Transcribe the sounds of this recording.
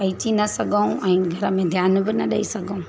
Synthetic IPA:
ɐitinɐsɐɡʱəũɛ̃ːɡʱɐɾəmẽd̪ʱjaːnbɪnɐɗɐ̰isɐɡʱɐũ

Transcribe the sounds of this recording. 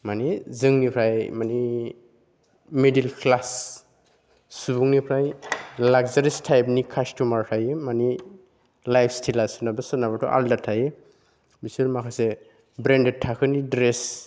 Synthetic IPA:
manizɯŋnipʰɾajmani | medilkʰlas | subuŋnipʰɾajlaɡzaɾistʰajp̬̚nikʰastumaɾtʰajmani | lajpʰstʰilasunabɯsɯnaβatʰɔ̰ʔa̰ldatʰːaji | bisuɾmakʰase | bɾended̚tʰːakʰɯnidɾes

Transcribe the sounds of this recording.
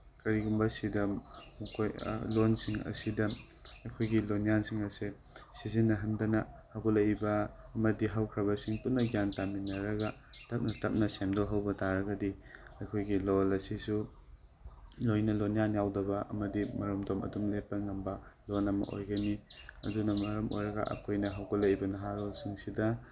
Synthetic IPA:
kɐɾiɡumbɐsidɐmukʰoj̰lonsiŋɐ̰sidɐ | ɐjkʰojɡilonjansiŋɐse | sizinːɐɦɐndɐnɐhaɡolɐjbɐːmɐdiɦɐwkʰɾɐβɐsiŋpunːɐɡjantaminːɐɾɐɡɐtɐp̚nɐtɐp̚nɐsemdoɦɐwbɐtaɾɐɡɐdiɐjkʰojɡilolɐsisu | lojnɐlonijanjawdɐbɐʔɐ̰mɐdimɐɾɐmdomɐ̰dumlep̚ːɐŋɐmbɐlonɐmɐ̰ʔo̰jɡɐniɐ̰dunɐmɐɾɐmʔo̰jɾɐɡɐ̰ʔɐ̰kʰojnɐɦɐwɡɐlɐjbɐnɐɦaɾolsiŋsidɐ

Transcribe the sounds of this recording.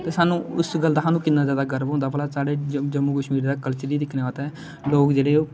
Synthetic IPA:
t̪eːsaːnũːʊsɡəld̪aːɦaːnũːkɪnːaːzjaːd̪aːɡəɾəʋɦʊ̃nd̪aːbəlaːsaːɽeːd͡ʒəmːuːkəʃmiːɾd̪aːkəlt͡ʃəliːd̪ɪkʰneːaːt̪eɛː | loːkd͡ʒeːɽeː

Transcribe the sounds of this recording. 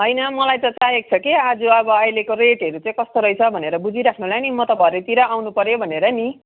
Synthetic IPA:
ɦʌjnʌmʌlajt̪ʌt͡sajek̚t͡sʰʌkiad͡zuʌbʌʌjlekoreʈɦʌɾut͡saĩkʌst̪oɾʌjt͡sʰʌbʱʌneɾʌbud͡ziɾakʰnulajnimʌt̪ʌbʱʌɾet̪iɾʌawnupʌɾjobʱʌneɾʌni

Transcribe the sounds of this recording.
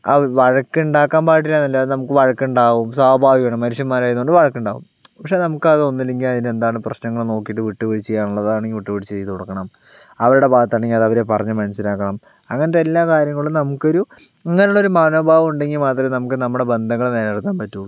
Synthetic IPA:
ɐʋɐɻɐkːɨiɳɖaːkːaːnpaːʈ̬ːilaːnːɐlːɐnɐmukːɨʋɐɻɐkːɳɖaːʋumswaːbʱaːʋiʋeɳɐmːɐɾuʂjɐmːaːɾaːjnːoɳɖɨʋɐɻɐkːuɳɖaːʋṵm | pɐkʂenɐmukːɨɐðɨo̞nːilːe̞ŋɡilɐðine̞nd̪aːɳɨprɐɕnɐŋːɐɭno̞ːkːijʈ̬ːɨʋiʈːɨʋeɻit͡ɕːt͡ɕejːaːɳuɭːɐðaːɳeŋɡiʋiʈːɨʋeɽit͡ɕːt͡ɕejɐt̪uɽɐkːɐɳɐm | ɐʋɐɾuɽe̞bʱaːd̪ɐt̪ːaːɳeŋɡilɐðɐʋɐɾe̞pɐrɐɲːɨmɐnɐsilaːkːɐɳɐm | ɐŋːɐnɐðeelːaːkaːɾjɐŋːɐɭumnɐmukːo̞ɾu | ɐŋːɐneuɭːo̞ɾumaːno̞ːbʱaːʋɐmuɳɖe̞ŋɡimaːt̪rɐnɐmukːɨnɐmːuɽe̞be̞nd̪ʱɐŋːɐɭuneleɽt̪ːaːmpɐtːu

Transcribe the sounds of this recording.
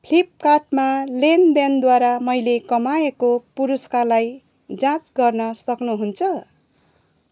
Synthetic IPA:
pʰlip̚karʈmalend̪end̪waɾamʌjlekʌmaekopuɾuskalaj | d͡zãt͡sɡʌrnʌsʌknuɦunt͡sʰʌ

